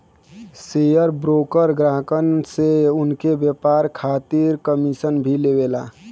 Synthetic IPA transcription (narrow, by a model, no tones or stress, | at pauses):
sejəɾbɾoːkəɾɡɾaɦəkənseʊnkebjəpaɾkʰat̪iɾkəmisənbʱilebela̰